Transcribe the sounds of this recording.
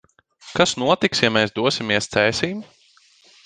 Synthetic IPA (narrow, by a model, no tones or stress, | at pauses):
kasnuɔt̪iksjamɛːsd̪uɔsʲimʲiɛst̪sɛːsʲiːm